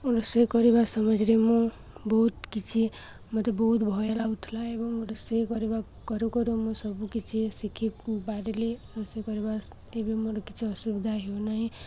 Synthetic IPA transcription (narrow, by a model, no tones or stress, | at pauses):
uɾosejkʌɾebasʌmʌd͡ʒɾemu | bʌɦut̪kit͡sʰi | mʌt̪ʌbʌɦut̪bʱʌelaut̪ʰulaebʌŋoɾosejkʌɾeba | kʌɾukʌɾumʌsʌbukit͡sʰisikʰibaɾeleuɾosekʌɾebas | ebimoɾokit͡sʰiʌsubd̪ʱaɦjonaɦĩ